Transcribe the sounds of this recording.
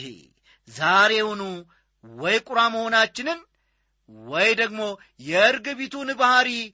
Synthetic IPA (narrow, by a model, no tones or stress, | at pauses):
hḛ | zaɾe̞hunu | wɔjkʼʊɾaməho̞nat͡ʃːɪnɨn | wɔjd̪əɡmo̞ | jɛɨɾɡɨβit̪ʰunɨbahaɾi